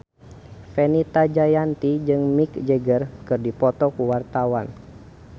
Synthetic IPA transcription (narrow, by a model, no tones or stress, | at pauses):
fɛnit̪ad͡ʒajant̪id͡ʒɨŋmik̚d͡ʒəɡərkɨrdipɔt̪ɔkuwart̪awan